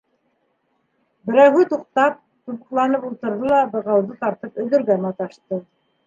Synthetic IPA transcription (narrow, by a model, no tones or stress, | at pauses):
bɘ̆ɾæwɦɘt̪uq̚t̪ɑp̚ | t̪uβɤ̆qlˠɑnɤpulˠt̪ɤ̆ɾðɤlˠɑbɤ̆ʁɑwðɤt̪ɑɾt̪ɤpɵ̆ðɵ̆ɾɡænɑt̪ɑʃt̪ɤ